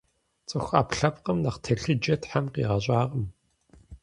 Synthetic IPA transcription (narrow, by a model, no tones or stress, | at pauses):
t͡sʼɨxʷa̰ːpɬɐpqəmnɐqtʰɐɬɨd͡ʒɐtħamqḭːʁɐɕʼaːʁəm